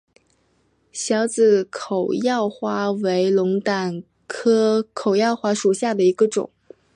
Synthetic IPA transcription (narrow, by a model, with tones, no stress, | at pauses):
ɕjɑ˧˥ʊt͡sɹ̩˨˩kʰo˨˩ʊjɑ˥˩ʊxwa˥we˧˥ɪlʊ˧˥ŋt̪a˨˩n | kʰɤ˥kʰo˨˩ʊjɑ˥˧ʊxwa˥ʂu˨˩ɕja˥˩d̪ə˩i˧˥ɡə˧ʈ͡ʂʊ̰˨˩˦ŋ